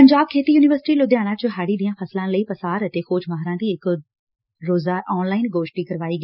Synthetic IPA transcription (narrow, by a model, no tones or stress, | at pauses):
pəɲd͡ʒaːb̚kʰeːt̪iːjuːnɪʋəɾsɪ̥ʈiːloːd̪jaːɽ̃ãːt͡ʃəɦaːɽiːd̪ijãːpʰəslãːləiːpəsaːɾət̪eːxoːd͡ʒmaːɦɾãːd̪iːɪk | ɾoːzaːʔɔːnlaːɪnɡoːʃʈiːkəɾʋaːiːɡɛː